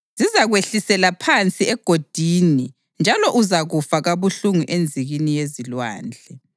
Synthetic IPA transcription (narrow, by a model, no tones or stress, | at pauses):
z̥izaɣweɬisɛlapʰant͡sʼiɛɡ̥ʱod̥ʱini | nd͡ʒʱalɔʔuzaɣufaɣaβuɬuŋuʔend͡zʱiɣinijezilwa̰ːnd͡ɮʱɛ